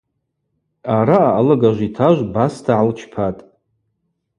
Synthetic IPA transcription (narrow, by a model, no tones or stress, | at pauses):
aɾaaːlaɡaʒʷitʰaʒʷbastʰaʕalt͡ʃʰpʰatʼ